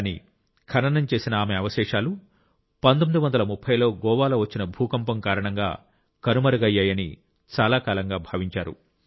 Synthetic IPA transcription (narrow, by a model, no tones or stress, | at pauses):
nḭ | kʰɐnɐnɐmt͡ʃe̞ːsinɐaːmeɐʋɐʃɛːʂaːlu | pɐnd̪omid̪uʋɐnd̪ɐlɐmupʰːɐjlo̞ːɡɔːʋaːlo̞ːʋɐt͡ʃːinɐbʱuːkɐmpɐmkaːɾɐɳɐŋɡa̰ː | kɐnumɐɾɐɡɐjːaːjɐnḭ | t͡ʃaːlaːkaːlɐŋɡaːbʱaːʋiɲt͡ʃaːɾṵ